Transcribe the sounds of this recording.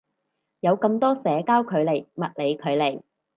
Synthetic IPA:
jɐ˨˧wkɐ˧mt̪ɔː˥sɛː˨˧kaː˥wkʰɵ˨˧ɥle˨˩jmɐ˨t̚le˨˧jkʰɵ˨˧ɥle˨˩j

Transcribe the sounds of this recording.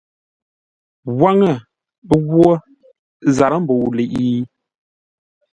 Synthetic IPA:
ɣwa˦ŋə˦˨ | bə˦ɡwo˦ | za˨ɾə˦m̩˦bo˨le˨ʔi˦

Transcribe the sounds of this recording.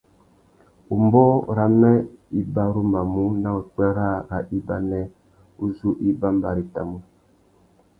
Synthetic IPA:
u˨mbɔ˦ɾa˨mɛ˦i˦ba˦ɾu˦ma˨mu˦na˦u˨k͡pɛ˦ɾa˦ɾa˨ʔi˦ba˦nɛ˦ | u˦zu˦ʔi˦ba˦mba˨ɾi˨ta̰˨mu˦

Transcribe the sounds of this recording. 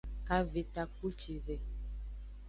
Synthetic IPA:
ka˨vi˨t̪a˨ku˦t͡ʃi˨ve˨

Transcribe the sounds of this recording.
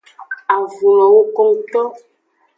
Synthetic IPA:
a˨vu˨lɔ˨wo˦kɔ˦ŋt̪ɔ˦

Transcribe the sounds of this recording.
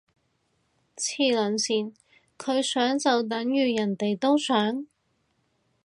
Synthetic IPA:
t͡sʰiː˨˩lɵ˨˩nsiː˨˩n | kʰɵ˨˧ɥsœː˨˥ŋt͡sɐ˨wt̪̬ɐ˨˥ŋjyː˨jɐ˨˩nt̪e˨jt̪o˥wsœː˨˥ŋ

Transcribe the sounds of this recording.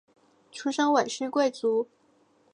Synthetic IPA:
ʈ͡ʂʰu˥ʂɤ˥ŋwe˨˩ɪɕy˥kwe˥˩ɪt͡su˧˥

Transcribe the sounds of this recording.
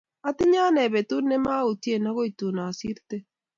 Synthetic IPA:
a˦ti˦ɲa˦nɛ˨βɛ˨tu˦nɛ˦ma˦o˨ti˦e˦˨na˦ɣo˦i˨tu˨na˨si˦ɾtɛ˦

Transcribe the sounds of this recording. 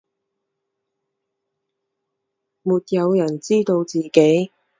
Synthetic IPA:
muː˨t̚jɐ˨˧wjɐ˨˩nt͡siː˥t̪o˧wt͡siː˨ke˨˥j

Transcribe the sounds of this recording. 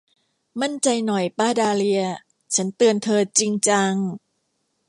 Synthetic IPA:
ma˥˩nt͡ɕa˧jnɔ˨˩jpaː˧˩daː˧li˧ɐ | t͡ɕʰa˦˥nt̪ɯ˧ənt̪ʰɤː˧t͡ɕi˧ŋt͡ɕa˧ŋ

